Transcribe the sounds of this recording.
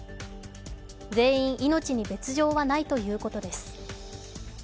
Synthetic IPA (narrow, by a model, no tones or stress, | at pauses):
d͡ze̞ːĩɰ̃ʔino̞t͡ɕiɲ̟ibe̞t͡sɨʑo̞ːβanait̪o̞jɯ̟ːko̞t̪o̞d̪e̞sɨ̥